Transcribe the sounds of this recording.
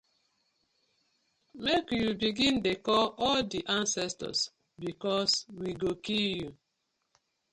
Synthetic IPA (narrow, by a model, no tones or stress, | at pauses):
mekjubiɡĩndekɔɔldiʔãnsɛstɔ̰s | bikɔswiɡokilju